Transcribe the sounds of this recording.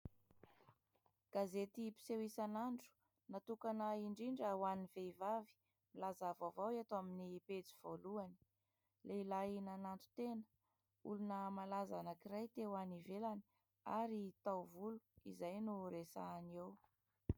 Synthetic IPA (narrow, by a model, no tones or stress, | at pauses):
ɡ̥azet̪ipi̥sewisanaɳɖ͡ʐu̥ | nat̪ukanəiɳɖ͡ʐiɳɖ͡ʐawaniveivavi̥ | milazavavawet̪aminipet͡si̥voluani̥ | lʔeilajnanant̪u̥t̪enə̥ | ṵlunəmalazanəkirajt̪ewanivelani̥ | a̰ɾit̪awvulu̥ḭzajnuɾesa̰new